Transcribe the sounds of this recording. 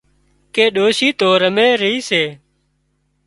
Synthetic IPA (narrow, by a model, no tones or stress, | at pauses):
keːɗoːʃiːt̪oːɾəmeːɾəɦiːseː